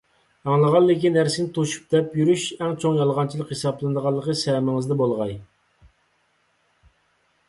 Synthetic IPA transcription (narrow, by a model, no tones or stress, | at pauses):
ɑŋlˠəʁɑlːɪkʲinːæɾsɪnɪt̪ʰoʃu̥p̚d̪̥ɛpjyɾyʃɛŋt͡ʃʰoŋjɑlˠʁɑnt͡ʃʰilˠəqhesɑblˠɨnd̪əʁɑlˠːəqəsɛmɪŋɨzd̪ɛbolˠʁɑj